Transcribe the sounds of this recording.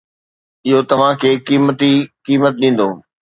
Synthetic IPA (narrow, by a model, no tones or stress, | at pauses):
ɪɦot̪ɐʋ̤ãkʰeːkiːmət̪ikiːmət̪̚ɗĩːn̆d̪oː